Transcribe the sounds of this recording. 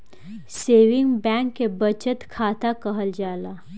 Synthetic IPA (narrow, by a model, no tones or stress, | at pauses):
seːʋɪ̃ŋɡbɛ̃ːŋkːebət͡ʃət̪kʰaːt̪akɐɦəld͡ʒaːlaː